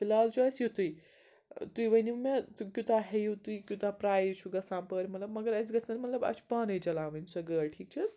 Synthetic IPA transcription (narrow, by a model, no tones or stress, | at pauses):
filaːlt͡ʃʰuɐsjut̪uj | t̪ujʋɐnimet̪ukjut̪aɦejut̪uikʲjut̪apɾaːjt͡ʃʰuɡɐsãːpəɾʲmɐt̪lɐbmɐɡəɾɐsɡɐsɐnmɐt̪lɐbɐ̰t͡ʃʰpɐːnɐjd͡ʒɐlãːʋɐnsɐɡəːlʈʰiːk̚t͡ʃʰis